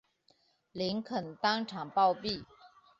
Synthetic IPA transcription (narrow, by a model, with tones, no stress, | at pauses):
li˧˥ŋkʰə˨˩nt̪ɑ˥ŋʈ͡ʂʰɑ˨˩ŋpɑ˥˧ʊpi˥˩